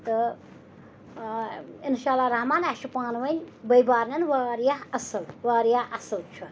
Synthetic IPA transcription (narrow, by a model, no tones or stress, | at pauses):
t̪ɨ | inʃaːlːaɾɐɦmaːnaʃupaːnwɐnʲbɐjbaːɾnʲɐnwaːɾjaɦɐsɨlwaːɾjaʔɐsɨlt͡ʃʰu